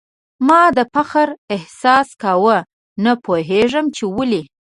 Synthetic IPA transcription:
mɑd̪əpaxaɾɪhsɑskawə | napoɦeʐəmt͡ʃewəli

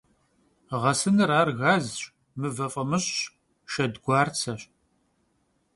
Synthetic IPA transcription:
ʁɐsɨnɨraːrɣaːzɕʼ | mɨvɐfʼɐmɨɕɕ | ʃɐdɡʷɑːrt͡sʰɐɕʼ

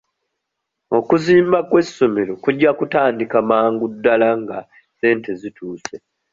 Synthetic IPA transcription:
o̞kuziːmbakwe̞sːo̞me̞ɾo̞kuɟːakutaːndikamaːŋɡudːalaŋɡa | se̞ːnte̞zitʰuːse̞

